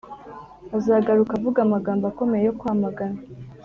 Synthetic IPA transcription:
azaːɡaɾukavuɡamaɡaːmbako̞mejejo̞kwaːmaɡana

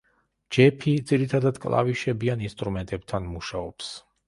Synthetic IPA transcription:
d͡ʒɛpʰid̪ziɾit̪ʰad̪ad̪kʼlˠa̰viʃɛbianinst̪ʼɾumɛnt̪ʼɛb̚t̪ʰanmuʃaɔps

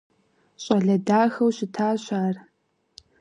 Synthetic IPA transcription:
ɕʼɐɮɐdaːxɐwɕɪtʰaːɕʷaːr

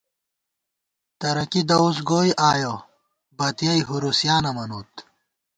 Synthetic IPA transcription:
t̪ɐɾɐkid̪ɐus̬ɡoːjʔaːjo | bɐt̪jɐjɦuɾusjaːnɐmɐnuːt̪

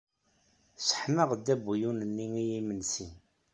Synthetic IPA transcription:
sə̥ħməʁd̪ːæbujunənːiŋijimənsi

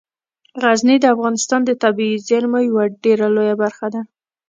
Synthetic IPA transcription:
ɣaznid̪əafɣɑnɪst̪ɑnd̪ət̪abiizaɾmajawaɖeɾalojabaɾxad̪a

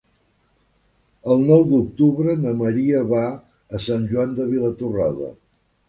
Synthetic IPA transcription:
əlˠnɔwd̪uk̚t̪uβɾənəməɾiəβa | əsanʲʒuand̪əβilət̪uraðə̰

